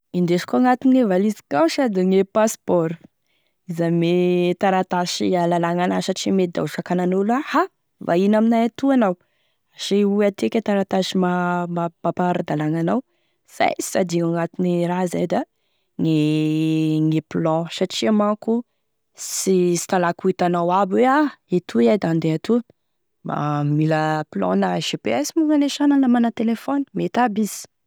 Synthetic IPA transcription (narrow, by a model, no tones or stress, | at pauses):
ind̪eʃkuaŋat̪iniŋevalizi̥kawsad̪iŋepaspɔɾu̥ | izamet̪aɾat̪aʃialalaŋanasaʈ͡ʂimed̪a̰ʃakananulaha | va̰inaminajat̪uanaw | aʃiuat̪ekʲet̪aɾat̪aʃimamabapaɾad̪alaŋanaw | z̥a̰ji̥sad̪iaŋat̪iniɾaza̰jd̪a | ŋe | ŋeplɔ̃saʈ͡ʂiamaku | sisi̥t̪alakuit̪anawabweaet̪ʰuiajd̪and̪eat̪u | ba̰miləplɔ̰̃naʃepeɛsimuŋaneʃanəlamanat̪elefɔni̥met̪abiz̥i̥